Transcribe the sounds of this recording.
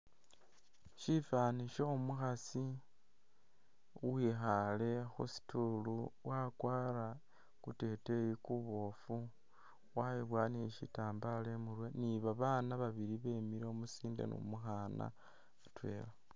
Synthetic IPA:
ʃifaniʃoumuxasi | wiːxale̞xusi̥tuluwakwaːɾa | kute̞te̞jikuβo̞fu | waiβwaniʃḭtaːmbale̞muɾweniβaβaːnaβaβiɾiβeːmiɾeomusiːndḛno̰muxana̰ | atwe̞̰ːla

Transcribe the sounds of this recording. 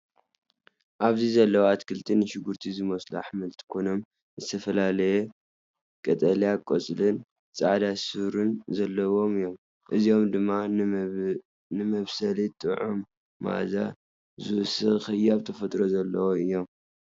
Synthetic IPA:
ʔaβzizɐlːɐwat̪kʰɨlt̪ʰinːɨʃɪɡuɾt̪ʰizɨmɐsla̰ħmɨlt̪ʰi̥kʰono̞m | zɨt̪ʰɐfɐlalɐje | kʼɐt̪ʼɐlijakʼot͡sʼlɨn | t͡sʼaʕd̪asɨɾunzɐlːɐwo̞mɨjo̞m | ʔɨzijo̞md̪ɨmːa | nɨmɐβsɐlit̪ʼɨʕumː | a̰za̰ | zɨwɨsɨɣxɨjːaβt̪ʰɐfɐt̪ʼɾozɐlːɐwoɨjːo̞m

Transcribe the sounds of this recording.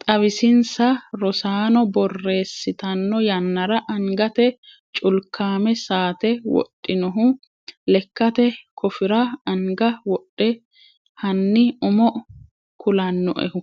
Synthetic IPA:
t̪ʼɐβɪsɪnsɐɾɔsaːnɔbɔrːe̞ːsːɪt̪ɐnːɔjɐnːɐɾɐʔɐŋɡɐt̪ɛ | t͡ʃʼʊlkʰːaːmɛsaːt̪ɛwɔ̰tʼːɪnɔɦʊ | lɛkːɐt̪ɛkʰɔfɪɾɐɐŋɡɐwɔɗːɛ | hɐnːɪʊmɔ | kʰʊlɐnːɔ̰ʔɛ̰hʊ

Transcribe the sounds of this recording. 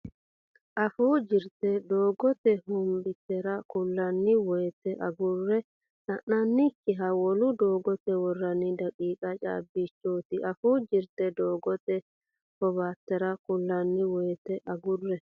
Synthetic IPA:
ʔɐfuːd͡ʒɪɾt̪ɛd̪oːɡɔt̪ɛhʊmbɪt̪ːɛɾɐkʊlːɐnːɪwɔjt̪ɛʔɐɡʊrːɛ | sɐnːɐnːɪkːɪɦɐwɔlʊd̪oːɡɔt̪ɛwɔrːɐnɪd̪ɐkʼiːkʼɐt͡ʃʼa̰ːbːit͡ʃːoːt̪ɪʔɐfuːd͡ʒɪɾt̪ɛd̪oːɡɔt̪ɛ | hɔβaːt̪ːɛɾɐkʊlːɐnːɪwɔjt̪ɛʔɐɡʊrːɛ

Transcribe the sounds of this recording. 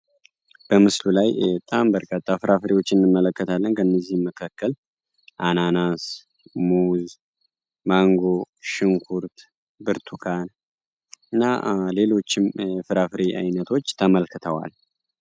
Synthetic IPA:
b̥əmɨslulajt̪ʼambəɾkʼat̪ʼːafɨɾʔafɨɾiwo̞t͡ʃːɪnːɨmːələkːət̪ʰalːənkʰənːəzːihmːəkʰakːəl | ʔananas | muz | maŋɡo̞ | ʃɪŋkʰuɾt̪ | bɨɾt̪ʰukʰan | ɨnːa̰le̞lo̞t͡ʃːɪmfɨɾafɨɾiʔa̰jnət̪ʰo̞t͡ʃːt̪ʰəməlkʰɨt̪ʰəwa̰l

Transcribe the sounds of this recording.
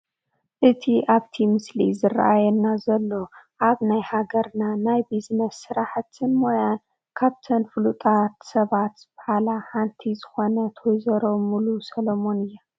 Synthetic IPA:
ʔɨt̪ʰiʔaβt̪ʰimɨslizɨra̰ʔajɛnːazɐlːo̞ʔaβnajhaɡɐɾnanajbiznɐsːɨɾaħt̪ʰɨnmojan | kʰaβt̪ʰɐnfɨlut̪ʼat̪sɐβat̪b̥ɐħalaħant̪ʰizɨxo̞nɐt̪ʰojzɐɾomulusɐlomo̞nɨjːa

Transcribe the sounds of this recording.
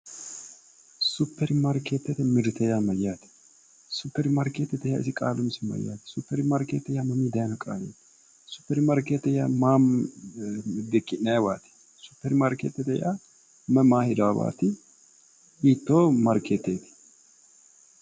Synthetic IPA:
sʊpːɛɾɪmɐɾkeːt̪ːɛt̪ɛmɪɾt̪ɛjaːmɐjːaːt̪ɪ̥ | sʊpːɛɾɪmɐɾkeːt̪ːɛt̪ɛja̰ːɪsɪkʼa̰ːlʊmɪsɪmɐ̰ja̰ːt̪ɪ̥sʊpːɛɾɪmɐɾkḛːt̪ːɛjaːmɐmiːd̪ɐjnɐkʼa̰ːlḛːt̪ | sʊ̥pːɛɾɪmɐɾkeːt̪ːɛjaːmaː | d̪ɛkʼːɪnːɐjwaːt̪ɪ̥ | sʊ̥pːɛɾɪmɐɾkeːt̪ːɛt̪ɛja̰ː | mɐmaːhɪd̪ɐwawa̰ːt̪ɪ | iːt̪ːoːmɐɾkʰeːt̪ːeːt̪ɪ̥

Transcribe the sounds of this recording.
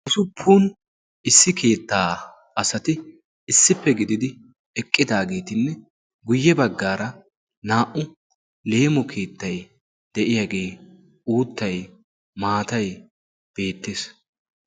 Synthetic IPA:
ʔʊsʊpʰːuːn | ɪsːɪkʰe̞ːt̪ːaː | ʔɐsɐt̪ɪ | ɪsːɪpːɛɡɪd̪ɪd̪ɪ | ɛkʼːɪd̪aːɡe̞ːt̪ɪnːɛ | ɡʊjːɛbɐɡːaːɾɐ | naːʔʊ | le̞ːmɔkʰe̞ːt̪ːɐj̪ | d̪̥ɛʔɪjaɡe̞ː | uːt̪ːɐj | maːt̪ɐj | b̥e̞ːt̪ːeːs

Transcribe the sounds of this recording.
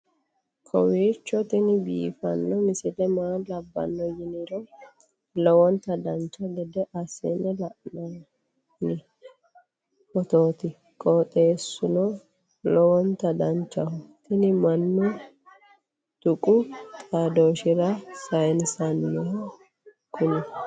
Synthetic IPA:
kʰɔ̰wiːt͡ʃːɔt̪ɪnɪbḭːfɐnːɔmɪsɪlɛmaːlɐbːɐ̰nːɔjɪnɪɾɔ | lɔwɔnt̪ɐd̪ɐnt͡ʃːɔd̪ɛd̪ɛʔɐsɛnɛlɐʔnɔ | nɪ | ɔt̪oːt̪ɪ | kʼɔt̪ʼeːsːʊnɔ | lɔwɔnt̪ɐd̪ɐnt͡ʃːɐhʊt̪ɪnɪmɐnːʊ | d̪̥ʊkʼʊt̪ʼaːd̪oːʃɪɾɐsɐjnsɐnːɛh | kʊnɪ

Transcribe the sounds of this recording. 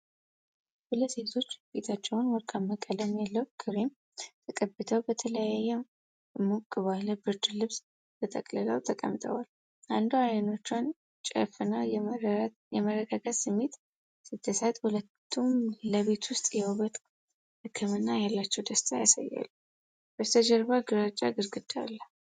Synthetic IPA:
huləsse̞t̪ʰo̞t͡ʃːb̥e̞t̪ʰat͡ʃːɛwnwɔlkʰaməkʼːələmjɛlːəwkʰɨɾem | t̪ʰəkʼəbɨt̪ʰəwbət̪ʰələjajːɛ | ɨmukʼːɨβaləbɨɾd͡ʒɨlɨβs | b̥ət̪ʰʼəkʼlələwt̪ʰəkʼə̰mt̪ʰʼə̰wal | ʔand̪uajno̞t͡ʃːan | t͡ʃʼə̰fɨnaj | jɛməɾəɡaɡat̪sɨmːet̪ | sɨt̪ʰːəsat̪hulət̪ʰːumləβe̞t̪wʊst̪ʼjɛuβət̪ʼ | hɨkʰːɨmɨnːajalːat͡ʃːɛwd̪əst̪ʰʼajasa̰jːa̰lːu | bət̪ʰəd͡ʒəɾβaɡɨɾat͡ʃʼːaɡɨɾɡɨd̪a̰lːə

